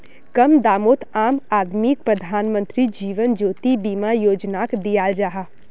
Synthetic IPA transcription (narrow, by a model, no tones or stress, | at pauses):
kəmd̪aːmoːt̪ʰaːmaːd̪mik̚pɾəd̪ʱaːnmə̃nt̪ɾid͡ʒiːʋənd͡ʒoːt̪ibiːmajoːd͡ʒnakd̪ijaːld͡ʒaːɦa